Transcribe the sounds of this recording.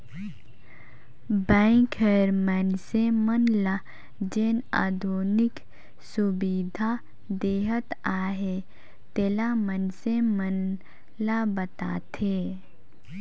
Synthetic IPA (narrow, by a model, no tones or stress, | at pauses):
bɛ̃ːŋkʰəɾmɛnsemənla | d͡ʒeːna̰ːd̪ʱuːnɪk | sʊbiːd̪ʱa | d̪eːɦət̪aːɦe | t̪eːlamənsemən | labət̪a̰ːt̪ʰeː